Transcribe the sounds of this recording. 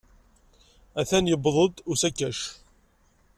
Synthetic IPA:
æθænjəbðˤəd̪ʊsækːæʃ

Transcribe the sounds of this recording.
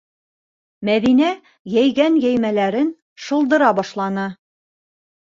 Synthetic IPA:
mæðinæ | jæjɡænjæjmælæɾɘn | ʃɤ̆lˠd̪ɤ̆ɾɑbɒʃlˠɑnɤ

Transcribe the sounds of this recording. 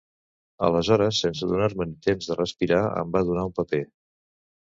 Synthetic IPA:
ə̰ləzɔɾəsːensəðunaɾmənit̪emzðərəspiɾaə̰mbaðunaumpəpe

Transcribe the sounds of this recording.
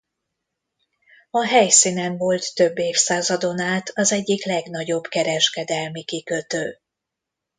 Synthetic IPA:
ɒɦɛjsinɛnvo̞lt̪ːøbːeːfsaːzɒd̪o̞naːt̪ʰɒzɛɟːiklɛɡn̪ɒɟo̞bkɛɾɛʃkɛd̪ɛlmikikø̞t̪øː

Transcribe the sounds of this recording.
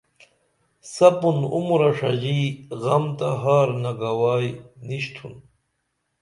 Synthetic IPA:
sɐpunṵmuɾɐʂɐʑiɣɐmt̪aɦaːɾnaɡawaːjniɕt̪ʰun

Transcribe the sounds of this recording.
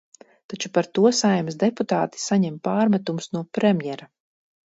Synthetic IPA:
t̪at͡ʃupaɾt̪uɔsajmsd̪eput̪aːt̪i̥saɲɛmpaːɾmæt̪umusnuɔpɾɛmjɛɾa

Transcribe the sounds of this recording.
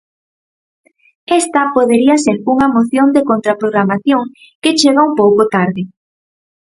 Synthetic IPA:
ɛst̪ɐpoðeɾiɐseɾuŋɐmoθjond̪ekont̪ɾapɾoɣɾamaθjoŋ | ket͡ʃeɣaumpowkot̪aɾðɪ

